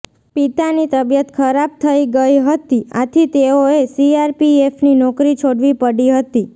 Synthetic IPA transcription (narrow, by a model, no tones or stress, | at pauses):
pit̪anit̪əbjət̪kʰəɾab̚t̪ʰəiɡəjɦət̪iat̪ʰit̪eoesiaɾpiefninɔkɾit͡ʃʰoɽʋipəɽiɦət̪i